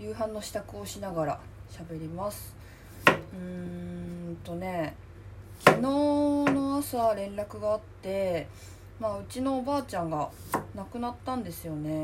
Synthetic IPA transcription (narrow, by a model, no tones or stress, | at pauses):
jɯ̟ːɦãnːo̞ɕi̥t̪akɯ̟o̞ɕinaɡaɾa̰ | ɕabe̞ɾʲimasɨ̥ | ɯ̟̃ | t̪o̞ne̞ | kʲino̞ːno̞asaɾẽ̞nɾakɯ̟ɡaːt̪ːe̞ | maːɯ̟t͡ɕino̞ːbaːt͡ɕãŋɡa | nakɯ̟nat̪ːãnd̪e̞sɨjo̞ne̞